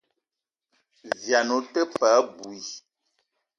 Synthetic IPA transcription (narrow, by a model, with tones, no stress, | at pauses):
vja˨no˨˦tə˦pa˨˦bu˨i˨